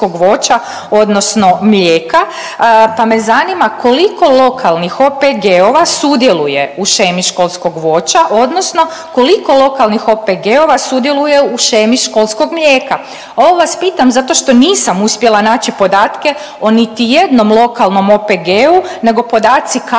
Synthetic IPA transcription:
o̞ɡʋo̞ːt͡ʃa | o̞d̪no̞sno̞mlʲeːka | pamezanimakʰo̞liko̞lˠo̞kʰalˠnixo̞peɡeoʋasud̪je̞luje̞uʃemiʃko̞lˠsko̞ɡʋo̞t͡ɕaʔo̞d̪no̞sno̞ | ko̞liko̞lˠo̞kalnixo̞peɡeoʋasud̪je̞luje̞uʃemiʃko̞lˠsko̞ɡmlʲʎeːka | o̞ʋoʋaspiːt̪amzat̪o̞ʃt̪o̞niːsamuspje̞lanaːt͡ɕipo̞d̪aːt̪ke̞ | o̞nit̪ije̞d̪no̞mlˠo̞kalˠno̞mopeɡeːune̞ɡo̞po̞d̪aːt̪sik

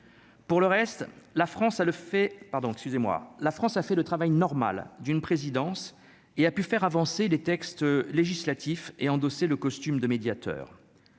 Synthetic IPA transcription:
puʁləʁɛst̪lafχɑ̃saəfɛpaʁd̪ɔ̃ɛkskʲyzemwa̰lafχɑ̃safɛlət̪χavajnɔʁma̰ld̪ynpχezid̪ɑ̃s | eapyfɛʁavɑ̃selet̪ɛkst̪leʒislat̪ifeɑ̃d̪ɔseləkɔst̪ymd̪əmed̪jat̪œ̰ːʁ

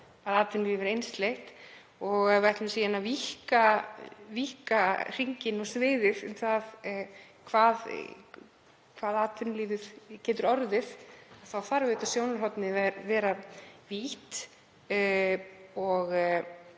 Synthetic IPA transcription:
aðaːt̪vʏnliːðvɛɾejnst̪lext̪ | ɔɣvajht̪lʏmsiːanavihkavihkar̥iɲcɪnɔɣsvɪːðɪðʏ̰mθað | kʰvaːð | kʰvaːðaːt̪vʏnliːðʏð̥cɛːt̪ʏɾɔɾðɪθaðθawθaɾvɪt̪asjownaɾ̥ɦɔwt̪nɪvɛɾvɛːɾaviht̪ | ɔɣ

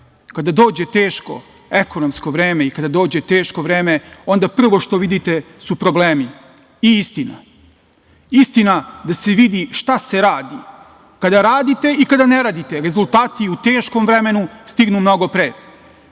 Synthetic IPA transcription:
kad̪ad̪o̞ːd͡ʑe̞t̪eːʃko̞̰ | eko̞nomsko̞ʋɾeːme̞ikad̪ad̪oːd͡ʑe̞t̪eːʃko̞ʋɾeːme̞o̞nd̪apr̩ʋo̞ʃt̪o̞ʋid̪it̪e̞supɾo̞bleːmi | iist̪ina̰ | ist̪inad̪ase̞ʋid̪iʃt̪ase̞ɾaːd̪i | kad̪aɾaːd̪it̪e̞ikad̪aneɾad̪it̪e̞ɾe̞zult̪aːt̪iut̪eːʃko̞mvɾeme̞nust̪iɡnumno̞ɡo̞pɾeː

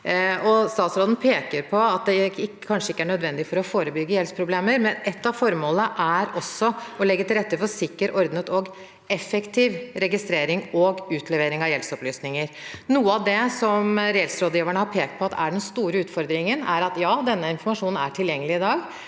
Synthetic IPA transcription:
ɔst̪ɑːt̪sɾoːd̪n̩pʰeːkəɾpʰɔɑt̪̚d̪ɛɪ | kʰɑnʂəɪkːəæɳœd̪ʋɛnd̪ɪfɔɾɔfoːɾəbʏɡːəjɛlspʰɾʊbleːməɾmɛnɛt̪ːɑʋfɔɾmoːləəʔæɾɔsːɔɔlɛɡːət̪ɪlɾɛt̪ːəfɔsɪkːəɾɔɾd̪nət̪ɔɡ | ɛfɛkt̪ʰiːʋɾɛɡɪst̪ɾeːɾɪŋɔɡʉːt̪ʰlɛʋeːɾɪŋɑʋjɛlsɔplyːsnɪŋəɾnuːəɑd̪ɛsɔmɾɛlsɾoːd̪jiːʋæɳəhɑɾpʰeːkt̪̚pʰɔɑt̪ːæ̰ɖɛnst̪uːɾəʉːt̪fɔɾd̪ɾɪŋənæɾɑt̪jɑːd̪ɛnːəɪnfɔɾmɑʂuːnn̩æ̰ʈʰɪljɛŋːəlɪɪd̪ɑːɡ

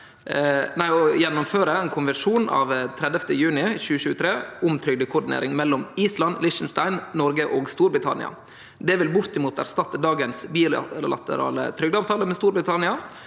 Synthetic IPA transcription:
næɪɔjɛnːʊmføːɾəɛnkʰʊnʋəʂuːnɑ̰ʋt̪ʰɾɛd̪ɛft̪əjʉːnɪçʉːəʃʉːət̪ʰɾeːʊmt̪ʰɾʏɡd̪əkʰʊɖɪnḛːɾʔɪŋmɛlːɔmiːslɑnlɪʂn̩ʂt̪æɪnnɔɾɡəʔoːɡst̪uːɾbɾɪt̪ʰɑ̰nɪ̰ɑ̰ | d̪ɛʋɪlbʊɾt̪ɪmuːt̪æ̰ɾst̪ɑt̪ːəd̪ɑːɡənsbiːləlɑ̰t̪ə̰ɾɑ̰ːlə̰t̪ʰɾʏɡd̪əɑːʋt̪ʰɑːləmɛst̪uːɾbɾɪt̪ʰɑnɪɑ

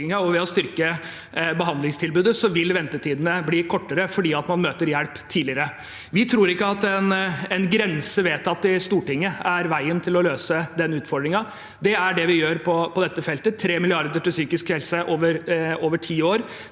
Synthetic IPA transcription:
ɪŋɑɔʋɛɔst̪ʏɾkə | bəɦɑnd̪lɪŋst̪ʰɪlbʉːd̪əsɔʋɪlʋɛnt̪əʈ̪ʰiːd̪nəbliːkʰɔʈːəɾəfɔɖiːɑt̪mɑnmøːt̪əɾjælpt̪ʰiːlɪəɾə | ʋɪt̪ʰɾuːɾɪkːəɑt̪ɛnɛnɡɾɛnsəʋeːt̪ɑt̪ːɪst̪uːʈɪŋːəæɾʋæɪənt̪ʰɪlɔløːsəd̪ɛnʉːt̪fɔɾɖɾɪŋɑ | d̪ɛæɖɛʋɪjøːɾpʰɔpɔd̪ɛt̪ːəfɛlt̪ət̪ʰɾeːmɪlɪɑɾd̪əʈɪlsyːkɪskhɛlsəʔoːʋəɾoːʋəʈʰiːoːɾ

